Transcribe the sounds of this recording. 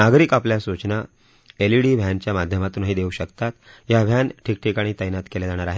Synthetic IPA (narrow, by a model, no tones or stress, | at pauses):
naɡɾiːkapljasut͡ɕna | eliɽiːbʱjaɲt͡ɕjamad̪ʱjəmat̪uːnɦiːd̪euɕəkt̪at̪jabʱjanʈʰiːk̚ʈʰiːkaɽ̃it̪əjnat̪keled͡zaɽ̃aɾaɦe